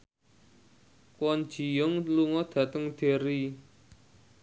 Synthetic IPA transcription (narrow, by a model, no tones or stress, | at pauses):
kwɔn̥ʒ̥i̤jɔŋluŋɔd̪̥ä̤t̪əŋd̪̥e̤ɾi